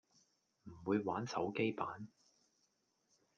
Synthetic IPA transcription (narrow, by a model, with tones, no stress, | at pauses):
m̩˨˩wuː˨˧jwaː˨˥nsɐ̰˨˥wke˥jpaː˨˥n